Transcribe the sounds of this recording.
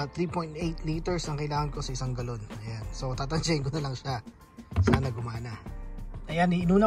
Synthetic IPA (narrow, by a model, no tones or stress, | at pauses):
t̪ɾiːpo̞jnt̪̚ʔejt̪liːt̪ɛɹsnɐŋkɐjɪlaːŋɐnko̞sɐʔɪsaŋɡɐlo̞nɐjanso̞t̪aːt̪ɐnd͡ʒɐɪŋkonɐlɐŋʃa | sanɐɡʊmaːnɐʔɐjaniʔnuːnɐ